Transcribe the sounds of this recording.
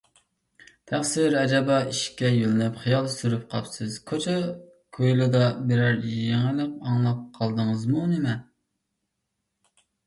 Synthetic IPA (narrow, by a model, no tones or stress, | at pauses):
t̪ʰæχsɪɾɛd͡ʒɑbɑiʃkʲɛjølɪnɪpχijɑlˠsyɾyp̚qʰɑpsɨz̥kʰot͡ʃʰɑ | kʰøjlˠud̪ɑbɪɾæɾjjeŋɪlɨq̚ɑŋlˠɑp̚qʰːɑlˠd̪əŋəzmunɪmɛ